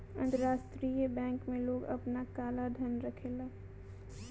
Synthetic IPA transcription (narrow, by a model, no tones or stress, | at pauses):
ə̰̃nt̪əɾaːst̪ɾijəbɛ̃ŋkmẽloːɡə̰pnakaːlad̪ʱənɾəkʰela